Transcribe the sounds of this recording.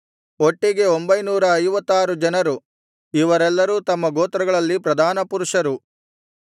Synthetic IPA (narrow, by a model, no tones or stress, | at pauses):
oʈːiɡe̞ombɐjnuːɾɐːjʋɐt̪ːaːɾud͡ʒɐnɐɾu | iʋɐɾɛlːɐɾuːt̪ɐmːɐɡoːt̪ɾɐɡɐɭɐlːipɾɐd̪ʱaːnɐpuɾuʂɐɾu